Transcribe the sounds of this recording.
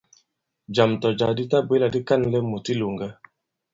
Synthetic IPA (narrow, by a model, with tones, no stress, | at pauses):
d͡ʒa˨mtɔ˨d͡ʒa˨di˦ta˦be˦la˨di˦ka˦nlɛ˦mu˨ti˦lo˨ŋɡa˦